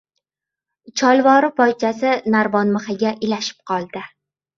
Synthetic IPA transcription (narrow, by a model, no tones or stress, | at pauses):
t͡ʃʰɒlˠvɒɾɪpɒjt͡ʃʰasɪnaɾvɒnmɨχɪɡʲaʔɪlaʃɪ̥p̚qʰɒlˠd̪̥ɪ